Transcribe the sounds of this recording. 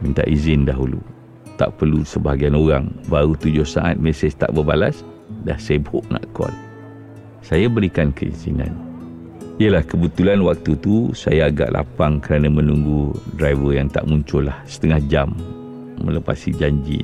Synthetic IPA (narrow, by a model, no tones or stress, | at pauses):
mint̪a̰ʔizɪndaɦulṵ | t̪a̰ʔpərlusəbaaɡianoɾaŋbaɾut̪ud͡ʒʊhsaʔa̰t̪̚mɛsəst̪a̰ʔbəbalas | dahsebʊʔ̚na̰ʔkɔ̰l | sajabəɾikankʰəḭzḭna̰n | iəlahkəbət̪ulanwak̚t̪ut̪usa̰jaːɡa̰ʔlʔa̰paŋkəɾanamə̃nuŋɡudɾajvəjaŋt̪a̰ʔmuɲt͡ʃʊlahsə̥t̪əŋahd͡ʒamː | ələpa̰sid͡ʒaɲd͡ʒḭ